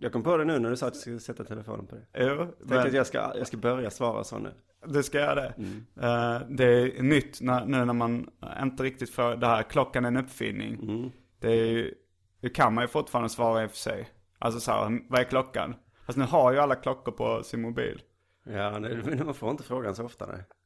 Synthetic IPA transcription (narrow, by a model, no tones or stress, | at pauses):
jɑːɡkʰɔmːpoːd̪ɛnʉ̟ːnæɖɵsɑːt̪jɑsk̪sɛt̪ːat̪ʰɛləfo̰ːnənpʰɔd̪ɛjuːɛɛəɾat̪jɑska̰jɑɡskabœɾjasvɑːɾa̰so̰ːnʉ̟̰ː | d̪ɛskajœːɾa̰d̪ɛ | d̪ɛænʏt̪ːnæɾnʉ̟ːnæɾmanɪ̰nt̪əɾɪk̚t̪ɪt̪fɾoːd̪ɛhæːɾkʰlɔkːanæɾɛnɵpːfɪ̰nːɪ̰ŋ | d̪̥ɛæɾj | d̪ɛkʰanmanjɵfʊʈfɑːɾand̪əsvɑːɾaɪfœ̥sʂɛ̰j | ʔa̰lsɔsɔæ̰ːɾvaɛɾkʰlɔkːa̰n | fast̪nʉ̟ːɦaɾjɵalːakʰlɔkːʊɾpʰɔ̰sɪnmʊbḭːl | jaːnɛnmanfoːɾɪnt̪əfɾoːɡansɔɔft̪a̰d̪ɛ̰